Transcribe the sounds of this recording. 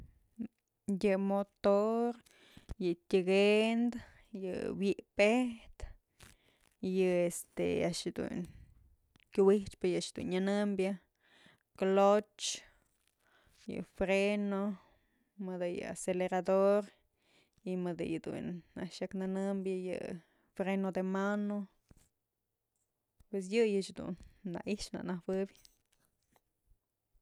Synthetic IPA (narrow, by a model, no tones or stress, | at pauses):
jɨmot̪oɾ | jɨt̪ʲɨɡend̪ | jɨ̰wjiʔpeht̪ | jɨest̪ḛaʔʂjɨd̪ṵn | kʲuwiht͡ʃpɨjaʔʂd̪ṵnɲanɨmbja | klot͡ʃ | jɨ̰fɾeno | mɨd̪ɨjɨ̰a̰seleɾad̪oɾ | imɨd̪ɨ̰jɨd̪ṵnaʔʃjaknanɨmbjajɨ̰ | fɾenod̪emano | pwes̬jɨjɨt͡ʃd̪ṵnːa̰ʔiʃna̰ʔnahbɨbʲ